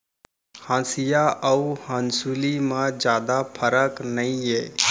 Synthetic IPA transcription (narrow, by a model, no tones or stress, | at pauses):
hãːsijaʔəuhə̃nsulimãd͡ʒjaːd̪apʰəɾəknəĩɦɛː